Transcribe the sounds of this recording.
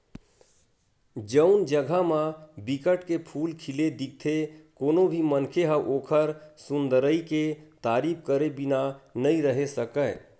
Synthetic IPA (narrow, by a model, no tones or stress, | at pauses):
d͡ʒəʊnd͡ʒəɡʱamãbikəʈkepʰulkʰiled̪ik̚t̪ʰekonobʱimənkʰeɦəʔoːkʰəɾsund̪əɾəiket̪aɾip̚ʰkəɾebinanəiɾəɦesəkə